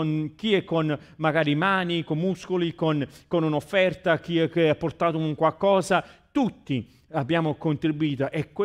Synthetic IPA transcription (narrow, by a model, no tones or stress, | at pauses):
nkiɛkːon | maɡaːɾimaːnikomːuskolikonkonunofːɛrt̪ak̟iɛkːeapːort̪aːt̪ouŋkwalkɔːsat̪ut̪ːi | abːjaːmokont̪ɾibuiːt̪oʔɛkː